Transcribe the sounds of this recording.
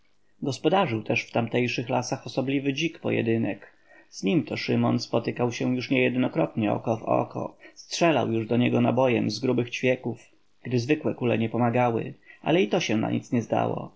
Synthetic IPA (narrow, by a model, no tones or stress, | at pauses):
ɡɔspɔd̪aʐɘwt̪ɛʂft̪amt̪ɛjʂɘxlasaxɔsɔblʲivɘd͡ʑikpɔ̰jɛ̰d̪ɘnɛk | z̥ɲimt̪ɔʂɘmɔnspɔt̪ɘkawɕɛ̃juʂɲɛjɛd̪nɔkɾɔt̪ɲɛɔ̰kɔvɔ̰kɔ̰stʂɛla̰wjuʐd̪ɔɲɛɡɔnabɔjɛmzɡɾubɘxt͡ɕfʲjɛkuf | ɡ̥d̪ɘzvɘkwɛkulɛ̰ɲɛpɔmaɡawɘ̰ʔa̰lɛit̪ɔɕɛna̰ɲḭt̪sɲɛzd̪a̰wɔ̰